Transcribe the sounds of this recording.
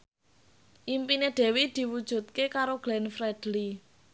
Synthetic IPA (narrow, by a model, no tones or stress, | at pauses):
ʔimpineɖ̥ɛ̤wid̪̥i̤wud̥ʒ̥ṳt̪̚kekaɾoɡ̥lɛnfɾɛd̥li